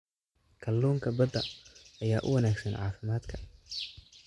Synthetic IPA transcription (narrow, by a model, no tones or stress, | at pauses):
kʰɐlːuːŋkʰɐbɐd̪ɐɐjaːʔʊ̰wɐnaːɡsɐnʕɑːfɪmaːd̪kʰɐ